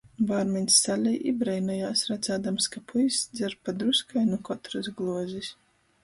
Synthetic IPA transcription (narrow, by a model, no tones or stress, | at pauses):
baːɾmʲɛnʲsːalʲɛjʔḭbɾɛjnajaːsɾat̪saːd̪amskapʰujsd̪zʲɛɾpːad̪ɾuskajnukɔt̪ɾɨsɡlˠuɔzʲisʲ